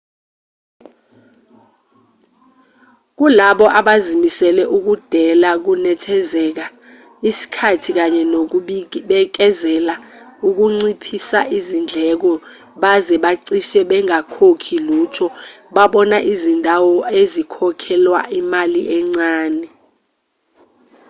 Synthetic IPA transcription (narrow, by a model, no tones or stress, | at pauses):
k̬ulaɓɔʔaɓazimisɛlɛʔuk̬ud̥ʱɛlak̬unɛtʰɛzɛk̬a | isi̥kʰatʰik̬aɲɛnok̬ɓɓɛk̬ɛzɛlauk̬uŋ͡ǀipʰisa̰ʔizind͡ɮʱɛk̬ɔ | ɓazɛɓaǀiʃɛɓɛŋakʰokʰiluːtʰɔ | ɓaɓɔnaʔizindʱawɔezikʰɔkʰɛlwa̰ʔimaliʔɛŋ͡ǀaːnɛ